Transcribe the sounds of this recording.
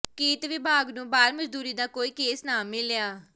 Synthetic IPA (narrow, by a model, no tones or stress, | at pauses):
kiːt̪ʋɪbʱaːɡnũːbaːɾməd͡ʒd̪uːɾiːd̪aːkoːiːkeːsnaːmɪljaː